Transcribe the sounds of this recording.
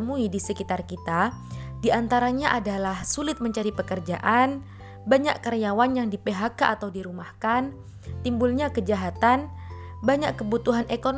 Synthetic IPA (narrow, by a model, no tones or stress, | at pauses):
muidisəkit̪arkit̪adiʔant̪aɾaɲaʔadalahsulɪt̪̚məɲt͡ʃaɾipəkərd͡ʒaʔan | baɲaʔkəɾjawanjaŋdipeɦakaʔːt̪awdiɾumahkan | t̪imbulɲakəd͡ʒaɦat̪an | baɲaʔkəbut̪uɦanʔekon